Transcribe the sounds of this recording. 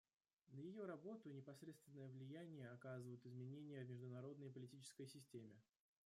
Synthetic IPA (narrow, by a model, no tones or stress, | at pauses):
nəjɪjo̞ɾɐbo̞t̪ʊɪnʲɪpɐsɾʲet̪st̪vʲɪnːəjəvlʲɪjænʲɪjəɐkazɨvəjʊt̪ɪzmʲɪnʲenʲɪjəvmʲɪʐd̪ʊnɐɾo̞d̪nəjpəlʲɪtʲit͡ɕɪ̥skəjsʲɪsʲtʲemʲɪ